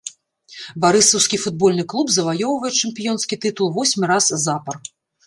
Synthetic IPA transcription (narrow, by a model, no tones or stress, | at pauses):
baɾɨsɐwskʲifud̪̚bɔlʲnɨklˠubzɐvajɔwvɐjɛt͡ʂɛmpʲijɔnskʲit̪ɨt̪ulˠvɔsʲmʲiɾaszapɐr